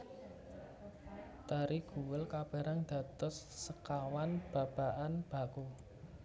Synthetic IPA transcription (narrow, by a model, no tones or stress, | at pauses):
d̪̥aɾiɡ̥ṳwəlkab̥a̤ɾaŋd̪̥ä̤t̪ɔsːəkawanb̥a̤b̥a̤ʔanb̥a̤ko